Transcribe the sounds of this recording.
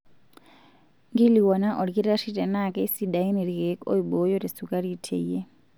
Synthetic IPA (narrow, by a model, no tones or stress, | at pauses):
ŋɡiliwɔnaʔɔɺikiɾaʂitʼɛnakʼɛisidainiɺiɣɛkʼo̰iɓojɔɾisukʼaɺitʰɛ̰jɛ